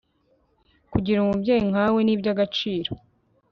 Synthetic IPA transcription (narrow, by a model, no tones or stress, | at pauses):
kuɟiɾumubɟeːjiŋ̥awe̞niːbɟaɡat͡ʃiːɾo